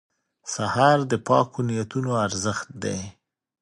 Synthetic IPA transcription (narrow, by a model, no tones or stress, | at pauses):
sahɑɾd̪əpɑkʰonijat̪unoaɾzəxt̪̚d̪e